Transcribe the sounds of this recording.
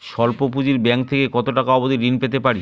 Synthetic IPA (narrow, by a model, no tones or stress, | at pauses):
ʃɔlpopud͡ʑiɾbɛŋk̚t̪ʰekekɔt̪oʈakaɔbod̪iɾinpet̪̬epaɽi